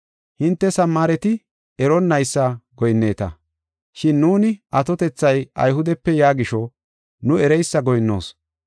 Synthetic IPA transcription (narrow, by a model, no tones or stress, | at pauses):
hɪnt̪ːɛsɐmːaːɾɛt̪ɪ | ɛɾɔnːɐjsːɐɡɔjnːe̞ːt̪ɐ̰ | ʃɪnːuːnɪʔɐt̪ɔt̪ɛt͡sːɐjɐ̰jɦʊd̪ɛpːɛjaːɡɪʃɔ | nʊɛɾɛjsːɐɡɔjnːo̰ːs